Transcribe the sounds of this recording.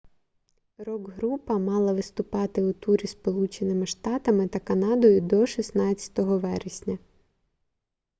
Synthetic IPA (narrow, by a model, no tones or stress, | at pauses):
ɾɔɡɦɾupɐmɑlˠɐʋɪst̪ʊpɑt̪ɪʊt̪uɾʲispɔlˠut͡ʃenɪmɪʃt̪ɑt̪ɐmɪt̪ɐkɐnɑd̪ɔjʊd̪ɔʃisnɑt͡sʲɐ̥t̪ɔɦɔʋɛɾɪsʲnʲɐ